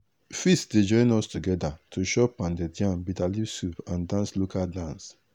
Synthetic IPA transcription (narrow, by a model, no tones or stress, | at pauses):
fistded͡ʒɔ̃ɪ̃nɔstuɡɛdatʰoʃɔpãndedjãnbitalisupãndãnslokʰaldãns